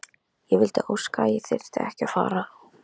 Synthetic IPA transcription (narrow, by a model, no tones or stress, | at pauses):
jɛvɪlt̪ɪʔowskajɪθɪɾ̥t̪aɛhcɪafa̰ːɾa